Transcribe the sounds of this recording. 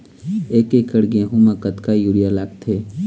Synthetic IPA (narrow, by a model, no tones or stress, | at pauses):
eːkekəɽɡẽɦumãkət̪kajuːɽijalaːɡ̚t̪ʰeː